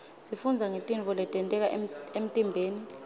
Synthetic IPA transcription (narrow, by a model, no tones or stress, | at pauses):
sifund͡zʱaŋetʼiɱvʱɔlɛtʼɛntʼɛk̬aʔem̩tʼimbʱeːni